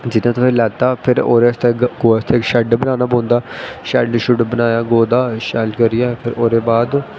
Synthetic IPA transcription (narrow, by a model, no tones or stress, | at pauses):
d͡ʒɪnãːt̪õːpʰɪɾlɛːt̪aːpʰɪɾo̰ːɾeːst̪eːɡoːst̪ʰeːʃɛɖbənaːnaːbõːnd̪aːʃɛɖʃʊɖbənaːjaːɡoːd̪aːʃɛːlkəɾɪjaːpʰɪɾoːɾeːbaːd̪